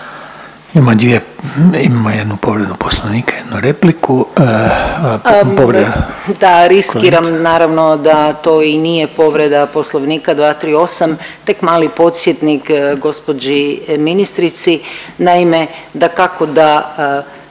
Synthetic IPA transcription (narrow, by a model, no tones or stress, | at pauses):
imamod̪ʋieimamojed̪nupo̞ʋɾed̪uposlˠoʋniːkḁjed̪nuɾepliku | poʋɾed̪d̪aɾiskiːɾamnaːɾaʋno̞d̪at̪oinije̞po̞ʋɾe̞d̪apo̞slˠoʋniːkad̪ʋaːt̪ɾiːo̞samt̪e̞kmaːlipo̞t̪sjet̪nikɡo̞spo̞d͡ʑiminist̪ɾit̪sinaime̞d̪akakod̪a